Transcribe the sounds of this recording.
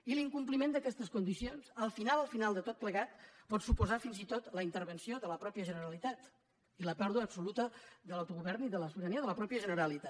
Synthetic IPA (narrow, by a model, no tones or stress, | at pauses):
iliŋkumplimend̪əkɛst̪əskund̪isionzəlˠfinalˠəlˠfinalˠd̪ət̪ot̪̚pləɣat̪̚pɔt̪supuzafinzit̪ot̪ləint̪əɾβənsioðələpɾɔpjəʒənəɾəlit̪at̪ | iləpɛɾðuəːpsulut̪əðələwt̪uɣuβɛɾniðələsuβəɾəniəðələpɾɔpjəʒənəɾəlit̪a